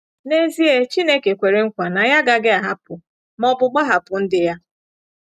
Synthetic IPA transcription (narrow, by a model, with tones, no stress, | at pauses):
ne˦zi˦e˦t͡ʃi˦ne˦ke˨kʷe˨ɾe˦ŋ̩˦kʷa˨na˨ja˦ɡa˦ɡɪ˦a˨ɦa˦pʊ˨ | mɔ˦bʊ˨ɡ͡ba˦ɦa˨pʊ˨n̩˦dɪ˦ja˦